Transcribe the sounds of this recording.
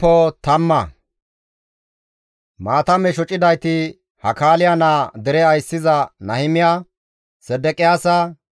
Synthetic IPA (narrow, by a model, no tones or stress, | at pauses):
ɔt̪ɐmːɐ | maːt̪ɐmɛʃɔt͡ʃʼɪd̪ɐjt̪ɪ | hɐkaːlɪjanaːd̪ɛɾɛɐjsːɪzɐnɐhɪmɪja | sɛd̪ɛkʼɪjaːsɐ